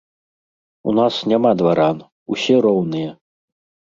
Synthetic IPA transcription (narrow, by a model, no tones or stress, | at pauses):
ṵnasnʲamad̪vaɾan | usʲɛɾɔwnɨjɛ